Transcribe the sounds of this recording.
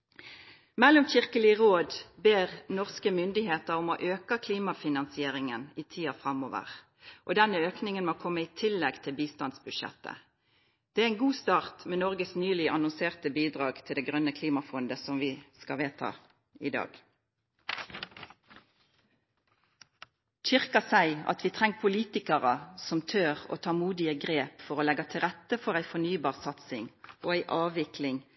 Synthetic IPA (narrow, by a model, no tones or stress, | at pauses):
mɛlːʊmçɪʁkəlɪəʁoːd̪beːʁnɔʁskəmʏnd̪ɪheːt̪əʁʊmoʔøːkəkʰliːmɑfɪnɑnsɪeːʁɪŋəniːt̪ʰiːɑfʁɑmoːʋə̰ʁ | ʔɔd̪ɛnːəøːknɪŋənmokʰɔmːəiːt̪ʰɪlːɛɡt̪ʰɪlbiːst̪ɑnd̪sbʉd̪ʃɛ̰t̪ːə̰ | d̪̥ɛæɛɪnɡuːst̪ɑːʁt̪mɛːnɔʁɡəsnyːlɪʔɑnʊnseːʁt̪əbiːd̪ʁɑːɡt̪ʰɪld̪ɛːɡʁœnəkʰliːmɑfɔnd̪əsɔmʋɪskɑʋeːt̪ʰɑ̰ | ɪ̰d̪ɑ̰ːɡ̥ | t͡ʃʏʁkɑsæɪɑ̰t̪ʰʋiːt̪ʰʁɛŋpʰʊliːt̪ɪkəʁəsɔmt̪ʰøːʁo̰ːt̪ʰɑːmuːd̪ɪəɡʁeːpfɔʁoːlɛɡɑt̪ʰɪlʁɛt̪ːəfɔʁæɪfɔnyːbɑːʁsɑt̪sɪŋʔoːæɪʔɑːʋɪkʰlɪŋ